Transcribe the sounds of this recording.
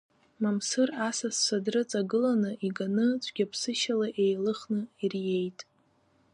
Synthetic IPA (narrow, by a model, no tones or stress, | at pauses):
mamsɨrasasːʷadrɨt͡sʼaɡɨlanɨʔiɡanɨt͡ɕʷʰʼɡʲapʰsɨʃalaʔe̞jlɨχnɨirje̞jtʼ